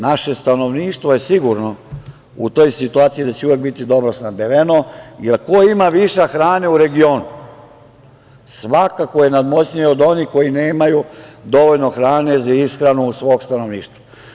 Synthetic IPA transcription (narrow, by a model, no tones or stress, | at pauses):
naʃe̞st̪ano̞ʋniːʃt̪ʋoje̞siɡuɾno̞ | ut̪o̞jsit̪uaːt̪sid̪at͡ɕeujek̚bit̪id̪o̞bɾosnab̪eʋenojelkoimaʋiʃaxɾaːneuɾe̞ɡio̞ːnu | sʋakako̞jenad̪mo̞t͡ɕɲiod̪o̞niko̞ine̞ːmajud̪o̞ʋo̞ʎnoxɾaːne̞zaisxɾanusʋoːɡst̪ano̞ʋniːʃt̪ʋa